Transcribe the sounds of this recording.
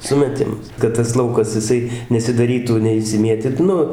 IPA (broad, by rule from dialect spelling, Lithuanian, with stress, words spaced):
ˌsʊmʲɛˈtʲɪmɐs kɐt tɐs ˈlˠɐʊkɐs jɪˈsɐɪ nʲɛsʲɪdɐˈrʲiːtuː nʲɛɪʃʲsʲɪˈmʲiɛtʲɪt ˈnʊ